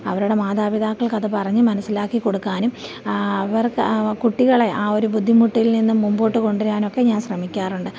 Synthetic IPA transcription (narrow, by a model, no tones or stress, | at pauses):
ɐʋɐɾuɽe̞maːðaːbid̪aːkːɐɭkɐðɨpɐrɐɲːɨmɐnɐsːilaːkːiko̞ɽukːaːnum | ɐʋɐrkuʈːiɣɐɭe̞ʔaːo̞ɾubud̪ʱːimuʈːilninːumːumboːʈːɨko̞ɳɖiɾaːno̞kːe̞ɲaːnɕrɐmikʲːaːruɳɖɨ